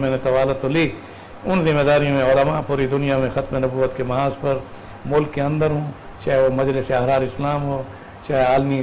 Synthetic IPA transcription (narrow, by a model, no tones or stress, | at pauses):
mɛ̃ːnet̪ɐʋaːlat̪oliː | ʊnzɪmːeːd̪aːɾijõmẽɔːɾɐmãpuːɾid̪ʊnijamẽxɐt̪menɐbuːət̪kemɐɦaːzpɐɾ | mʊlkːeɐ̃nd̪əɾɦõː | t͡ʃaːɦeʋomɐd͡ʒlɪseɐɦɾaːɾɪslaːmɦoː | t͡ʃaːɦeaːlmi